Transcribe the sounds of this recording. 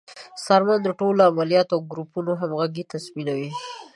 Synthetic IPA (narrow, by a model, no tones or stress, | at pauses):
sɑɾmand̪əʈolamalijɑt̪awɡɾupunoɦamɣaɡit̪asminawi